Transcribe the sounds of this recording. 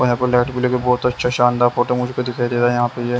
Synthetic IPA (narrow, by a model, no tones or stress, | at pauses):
oɦãpelɛːʈbɪlekebɔːt̪ɐtːʃʰaʃãːnd̪aːɾfoːʈoɾmʊd͡ʒʱekod̪ɪkʰaːiɾeːt̪ajɐɦãːpeje